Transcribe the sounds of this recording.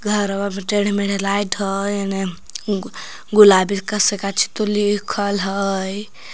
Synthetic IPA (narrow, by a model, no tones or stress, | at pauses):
ɡʱəɾbameʈeɽ̤meɽelajʈɦəjene | ɡulabit̪̚kəsekat͡ʃʰi̥t̪olikʰəlɦəj